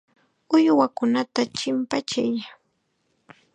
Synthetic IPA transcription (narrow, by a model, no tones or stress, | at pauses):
ʊjwakʊnat̪at͡ʃɪmpat͡ʃaj